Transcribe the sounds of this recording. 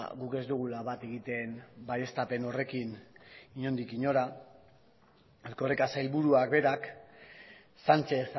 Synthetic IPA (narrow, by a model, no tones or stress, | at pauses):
ɣuke̞zd̪uɣ̞ulaβat̪e̞ɣit̪e̞nbaje̞st̪ape̞no̞re̞kiniɲo̞nd̪ikiɲo̞ɾa | aɾko̞rekasajlβuɾuak̚be̞ɾak | sant͡ʃe̞θ